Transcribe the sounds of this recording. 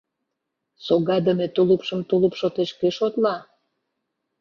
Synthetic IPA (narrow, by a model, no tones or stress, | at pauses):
soɣɑd̪əmet̪uləpʃə̆mt̪uləpʃot̪eʃkeʃot̪lɑ